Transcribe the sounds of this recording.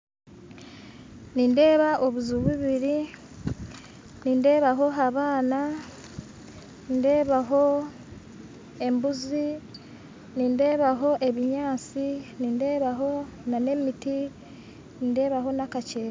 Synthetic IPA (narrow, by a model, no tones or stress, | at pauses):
ninde̞ːβaʔo̞βuzuβuβiɾi | ninde̞ːβaɦo̞ɦaβaːna | ninde̞ːβaɦo̞ | e̞mbuzi | ninde̞ːβaɦo̞ʔe̞βiɲaːt͡sininde̞ːβaɦo̞nane̞miti | ninde̞ːβaɦo̞nakace̞ːɾa